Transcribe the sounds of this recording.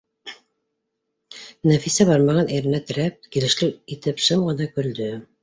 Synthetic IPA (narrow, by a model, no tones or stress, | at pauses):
næfisæβɑɾmɑʁɑniɾɘ̆næt̪ɘ̆ɾæp̚kilɘ̆ʃlɘit̪ɘpʃɤmʁɤ̆nɑkɵ̆ld̪ɵ